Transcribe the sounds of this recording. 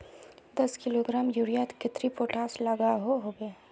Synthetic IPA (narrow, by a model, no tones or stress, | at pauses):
d̪ɐskɪloːɡɾaːmjuɽijat̪kɪt̪ɾipoːʈaːslɐɡaɦoɦobeː